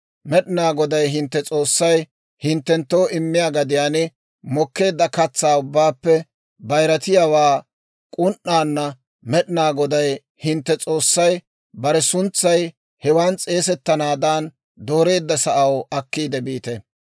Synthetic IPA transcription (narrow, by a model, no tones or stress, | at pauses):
mɛɗɪnaːɡɔd̪ɐjɦɪnt̪ːɛt͡sʼo̞ːsːɐj | hɪnt̪ːɛnt̪ːo̞ːʔɪmːɪjaːɡɐd̪ɪjaːnɪ | mɔkːe̞ːd̪ːɐkɐt͡sːaːʊbːaːpːɛ | bɐjɾɐt̪ɪjawaː | kʼʊnʔːaːnːɐ | mɛɗɪnaːɡɔd̪ɐj | hɪnt̪ːɛt͡sʼo̞ːsːɐj | bɐɾɛsʊnt͡sːɐj | hɛwaːnt͡sʼeːsɛt̪ːɐnaːd̪aːn | d̪o̞ːɾe̞ːd̪ːɐsɐʔɐwɐkːiːd̪ɛbiːt̪ɛ